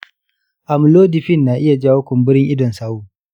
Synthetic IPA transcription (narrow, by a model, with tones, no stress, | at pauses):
ʔa˨m˨loː˦dɪ˨ɸɪ˦nːaː˨ʔɪ˦ja˨d͡ʒaː˦wʊ˦kʷɔ˨mbɪ˦ɽɪ˦ŋʔɪ˦dɔ˨nsaː˦wuː˨